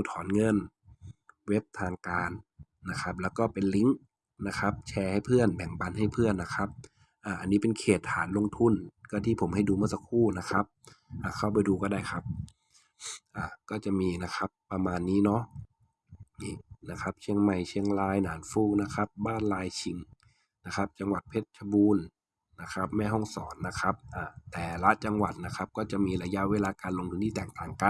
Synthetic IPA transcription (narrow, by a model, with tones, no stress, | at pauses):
uː˧˩t̪ʰɔː˨˦nŋɤ˧˥˨n | we˦˥p̚t̪ʰaː˧ŋkaː˧nː | a˦˥kʰa˦˥p̚lɛː˦˧˥wkɔː˧˥˩pe˨nli˧˦˥ŋ | na˦˥kʰa˦˥p̚t͡ɕʰɛː˧ha˥˩jpʰɯ˥˩ənbɛ˨˩˦ŋba˧˦nɦa˥˩jpʰɯ˥˩ənːa˦˥kʰa˦˥p̚ | ʔaː˧˩ʔa˧nːiː˦˥pe˧˨nkʰeː˨˩t̪ʰːaː˩˦nlo˧ŋt̪ʰu˧˥˨nkɔː˧˩t̪ʰiː˥˩pʰo˩˦mha˥˩jduː˧mɯ˧˥˨sa˧kʰuː˥˩na˦˥kʰa˦˥p̚ʔaː˧˨˩kʰa˥˩wpa˧jduː˧kɔː˧˩da˥˩jkʰa˦˥p̚ | ʔaː˧˩kɔː˧˥˩t͡ɕa˨˩ʔmiː˧na˦˥xʰa˦˥pːa˧maː˧nːiː˦˥nɔ˦˥ʔ | iː˧˩na˦˧˥kʰa˦˥p̚t͡ɕʰi˧əŋma˧˩jt͡ɕʰi˧əŋlaː˧jnaː˨˦nfuː˧˩na˦˥kʰa˦˥p̚baː˥˩˨nlaː˧jt͡ɕʰi˨˧˦ŋ | na˦˥xʰa˦˥p̚t͡ɕa˧ŋwa˨˩t̪̚pʰe˧˩t̪̚t͡ɕʰa˧buː˧nː | a˦˥kʰa˦˥p̚mɛː˧˥˩ɦɔ˥˩ŋsɔː˩˦nːa˦˥kʰa˦˥p̚ʔaː˨˩t̪ɛː˨˩la˦˥ʔt͡ɕa˧ŋwa˨˩t̪̚na˦˥kʰa˦˥p̚kɔː˥˩t͡ɕa˨˩ʔmiː˧la˧ja˦˧˥ʔweː˧˨laː˧kaː˧nlo˧ŋt̪ʰu˧nt̪ʰiː˧t̪ɛː˨˩ŋt̪aː˨˩ŋka˨n